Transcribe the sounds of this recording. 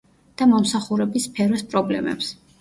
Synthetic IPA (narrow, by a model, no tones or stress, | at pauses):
d̪̥amɔmsaχuɾɛbispʰɛɾɔspʼɾɔblɛ̰mɛ̰ps